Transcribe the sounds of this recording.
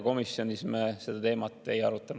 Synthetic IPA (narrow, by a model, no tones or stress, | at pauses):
ko̞misjo̞nʲismese̞d̪̥ɑt̪e̞ːmɑt̪ˑːe̞jɑɾut̪ːˑɑnu